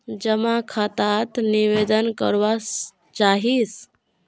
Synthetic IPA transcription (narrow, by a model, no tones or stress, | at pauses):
d͡ʒəmakʰat̪at̪niʋed̪ənkə̰ɾʋa | t͡ʃaɦis